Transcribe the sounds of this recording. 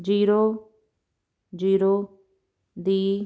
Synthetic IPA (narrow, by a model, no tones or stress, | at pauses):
d͡ʒiːɾoː | d͡ʒiːɾoː | d̪iː